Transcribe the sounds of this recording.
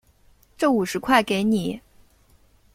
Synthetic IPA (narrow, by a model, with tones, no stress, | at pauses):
ʈ͡ʂɤ˥˩u˨˩ʂɻ̩˧˥kʰwa˥˩ɪke˧˥ɪni˨˩˦